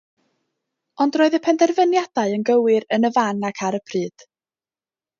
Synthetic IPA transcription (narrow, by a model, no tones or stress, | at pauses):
ɔndroːɨðəpʰɛndɛrvənjad̥aɨənɡəwɪɾənəvanakʰaɾəpʰrɨːd̥